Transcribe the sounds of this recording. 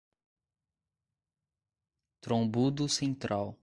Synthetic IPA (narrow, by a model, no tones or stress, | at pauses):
t̪ɾõbud̪usẽnt̪ɾaw